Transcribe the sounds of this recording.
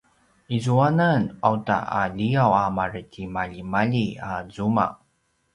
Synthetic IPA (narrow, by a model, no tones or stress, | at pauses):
izuananawta̰ʔa̰ʎiawamarətʰimaʎimaʎiazuma̰